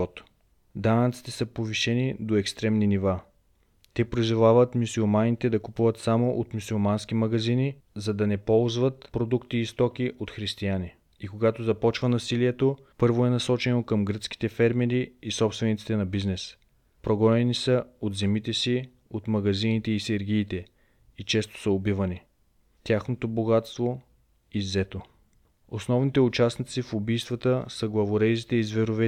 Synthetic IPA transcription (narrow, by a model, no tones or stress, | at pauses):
ɔt̪ | d̪anɐt̪si̥t̪ɛsəpoviʃɛnid̪oɛkst̪ɾɛmniniva | t̪ɛpɾizolˠavət̪musulˠmanit̪ɛd̪ɐkupuvət̪samoʔot̪mʲusulˠmanskimɐɡɐzini | zɐd̪ɐnɛpɔlˠzvət̪pɾod̪ukt̪iːst̪ɔk̟iʔot̪xɾist̪iani | ikoɡat̪ozɐpɔt͡ʃvənɐsiliɛt̪o | pɤɾvoɛnɐsɔt͡ʃɛnokɐmɡɾət̪ski̥t̪ɛfɛɾmɛɾiːsɔpst̪vɛnit̪si̥t̪ɛnɐbiznɛs | pɾoɡɔnɛnisəot̪zɛmit̪ɛsi | ot̪mɐɡɐzinit̪ɛisɛɾɡ̟iːt̪ɛ | it͡ʃɛst̪o̥səobivɐni | t̪ʲjaxnot̪oboɡat̪st̪vo | izɛt̪o | osnɔvnit̪ɛʊt͡ʃasnit̪sifʊbijst̪vɐt̪əsəɡlˠɐvoɾɛjzit̪ɛizvɛɾovɛ